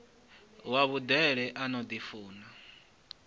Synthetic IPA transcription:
waβud̪ɛɺɛʔanɔd̪ifuːna

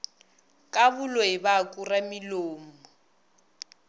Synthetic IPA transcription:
kʼaβʊloɪbakʼuramiloːmʊ

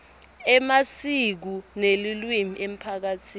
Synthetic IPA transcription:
ɛmasik̬unelilwimiʔem̩pʰak̬atʰiːn

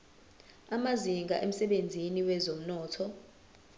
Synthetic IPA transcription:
amaziŋɡʱa̰ʔem̩sɛɓend͡zʱiniwɛzom̩nɔːtʰɔ

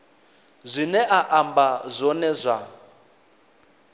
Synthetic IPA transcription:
zʷinɛʔaʔambazʷɔnɛzʷa

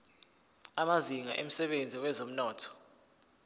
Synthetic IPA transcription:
amaziŋa̰ʔem̩sɛɓend͡zʱiwɛzom̩nɔːtʰɔ̥

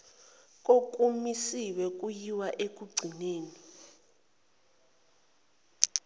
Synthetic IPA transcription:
k̬ʼok̬ʼumisiwɛk̬ʼujiwaʔek̬ʼuɡ͡ǀʱineːni

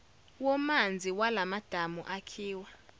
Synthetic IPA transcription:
wɔmand͡zʱiwalamad̥ʱamuʔakʰiːwa

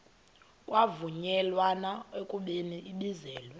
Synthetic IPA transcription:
kʼwavuɲɛlwanaekʼuɓeniʔiɓizɛːlwɛ

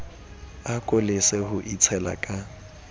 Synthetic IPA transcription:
akʼʊlɪsehʊʔit͡sʰɛla̰kʼa

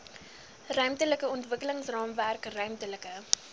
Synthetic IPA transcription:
rœɥmtələkəɔntvəkələŋsrɑːmværkrœɥmtələkə

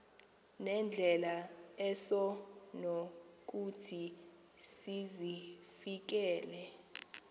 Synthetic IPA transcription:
nɛnd͡ɮʱɛlaɛsɔnok̬utʰi | sizifik̬ɛːlɛ

